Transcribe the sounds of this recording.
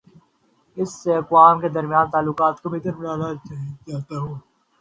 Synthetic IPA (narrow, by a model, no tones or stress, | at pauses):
ɪsːeɐkʋaːmked̪əɾmjãːnt̪aːlːʊkaːt̪kobʱɪt̪əɾbnaːd̪ad͡ʒaːt̪aɦoː